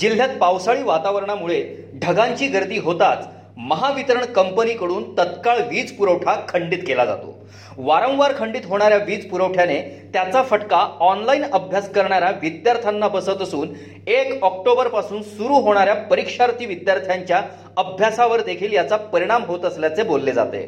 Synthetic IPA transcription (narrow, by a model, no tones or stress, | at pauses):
d͡ʑil̤ːjat̪̚pawsaɭiːʋat̪aʋəɾɳ̃amuɭe | ɖʱəɡaɲt͡ɕiːɡəɾt̪iːɦot̪at͡s | məɦaʋit̪əɾəɳkəmpəniːkəɽuːnt̪ət̪kaɭʋiːd͡zpuɾəwʈʰakʰəɳɖiːt̪kelad͡za̰t̪o̰ | ʋaɾə̃w̃ʋaɾkʰəɳɖit̪ɦoɽ̃aɾjaʋiːd͡zpuɾəwʈʰjanet̪jat͡safəʈkaɔnlainəbʱjaskəɾɳ̃aɾaʋid̪jaɾt̪ʰjanːabəsət̪əsuːn | ekɔk̚ʈobəɾpasuːnsuɾuːɦoɽ̃aɾjapəɾikʂaɾt̪ʰiːʋid̪jaɾt̪ʰjaɲt͡ɕja | əbʱjasaʋəɾd̪ekʰiːljat͡sapəɾiɽ̃amɦot̪əsljat͡sebolːed͡za̰t̪ḛ